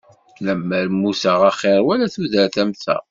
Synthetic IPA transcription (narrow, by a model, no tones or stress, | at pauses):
ləmːəɾmːusəʁɑχɪɾwælæθuðəɾθæmθæ̰